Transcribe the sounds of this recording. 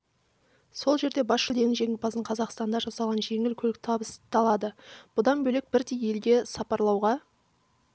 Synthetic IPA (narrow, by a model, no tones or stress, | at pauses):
so̞lˠʒe̞ɾd̪e̞bɑsʃəld̪e̞ŋɪʒe̞ɡʲɪpʰɑsəɴqʰɑzɑqst̪ɑnd̪ɑʒɑsɑlˠʁɑnʒe̞ŋɪlkʲʰɵlk̚t̪ʰɑbəst̪ɑlˠɑd̪əb̥ʊd̪ɑnbɵle̞k̚bɪɾt̪ije̞lɡ̪ʲe̞sɑpɑɾlˠɑwʁɑ